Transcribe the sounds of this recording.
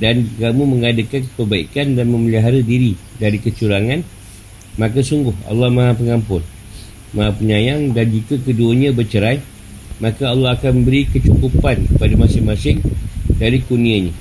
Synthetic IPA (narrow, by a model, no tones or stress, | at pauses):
dankamuməŋadakankəpəbaḭkandanmə̃məliɦaɾadiɾidaɾikət͡ʃuɾaŋãn | mãkasuŋɡʊha̰lːɑhmãɦapəŋampʊn | maɦapəɲãjaŋdand͡ʒikakəduəɲãbərt͡ʃəɾaj | mãkaalːɑɦakanməbəɾikət͡ʃukupankəpadamasɪŋmasɪŋdaɾikunĩaɲã